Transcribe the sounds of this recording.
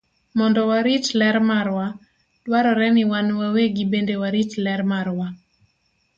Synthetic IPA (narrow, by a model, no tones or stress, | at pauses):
mɔndɔwaɾit͡ʃlɛɾmaɾwa | d̥waɾɔɾɛnɪwanwaweɡibendewaɾit͡ʃlɛɾmarwa